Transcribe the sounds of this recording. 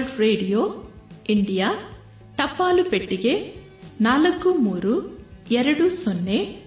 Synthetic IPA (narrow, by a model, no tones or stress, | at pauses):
ɖɾeːɖijoːiɳɖijaː | ʈɐpːaːlupeʈːiɡeː | naːlɐɡumuːɾuɛɾɐɽusonːeː